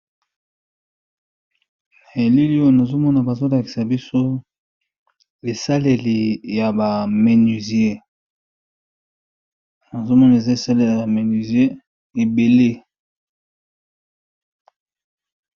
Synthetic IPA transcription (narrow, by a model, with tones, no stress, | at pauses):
na˨e˨li˦li˦o˦˨na˨zo˦mɔ˦na˨ba˨zo˦la˨ki̥˨sa˨bi˦so˦ | e˨sa˦le˨li˨ja˨ba˨me˨ny˨zi˨˦e˦ | na˨zo˦mɔ˦na˨e˨za˦e˨sa˦le˨la˨me˨ni˨zje˦ | e˨be˨le˦